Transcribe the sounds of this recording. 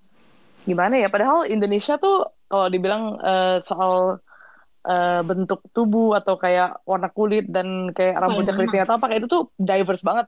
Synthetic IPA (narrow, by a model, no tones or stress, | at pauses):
ɡimanajapadaɦalindonesiat̪ʊkaladibilaŋəːsoʔal | ʔəːbənt̪ʊk̚t̪ubuat̪awkajaʔwarnakːulɪt̪̚dankajaʔɾabudaklit̪iŋat̪apakit̪ut̪ʊdajvərsbaŋət̪̚